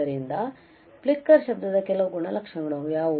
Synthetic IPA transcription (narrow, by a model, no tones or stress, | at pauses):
ɐɾind̪ɐ | pɭikːɐɾʃɐbd̪ɐd̪ɐkɛlɐʋɐɡuɳɐlɐkʂɐɡɐɭujaːʋu